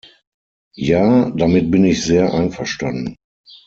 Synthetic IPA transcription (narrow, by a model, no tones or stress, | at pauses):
jaːdamɪt̚bɪnɪçz̥eːɐʔa̰ɪnfɛʃtandn̩